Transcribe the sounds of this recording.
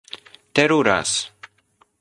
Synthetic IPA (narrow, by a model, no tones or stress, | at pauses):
t̪eɾuɾa̰s